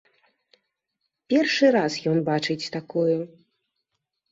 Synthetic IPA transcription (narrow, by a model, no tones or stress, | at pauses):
pʲɛrʂɨɾasjɔnbat͡ʂɨt͡sʲt̪akuju